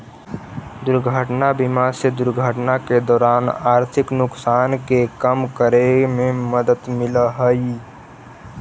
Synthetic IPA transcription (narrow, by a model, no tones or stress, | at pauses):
d̪ʊɾɡʱəʈnabɪmased̪ʊɾɡʱəʈnaked̪ɔːɾaːnaːɾt̪ʰɪknʊksaːnkekəmkəɾemẽməd̪ət̪mɪləɦəi